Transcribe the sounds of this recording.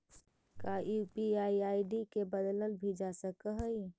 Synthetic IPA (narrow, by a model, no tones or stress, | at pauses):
kaupiaːiaːiɖikebəd̪ləlbʱid͡ʒasəkəɦəi